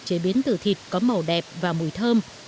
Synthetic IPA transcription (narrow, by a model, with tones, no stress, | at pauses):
t͡ɕe˧˩ɓi˨˦ənt̪ɨ˨˩t̪ʰi˨˩t̚kɔ˨˦mə˨˩wɗɛ˨˩p̚vaː˨˩mu˧˩jt̪ʰəː˧m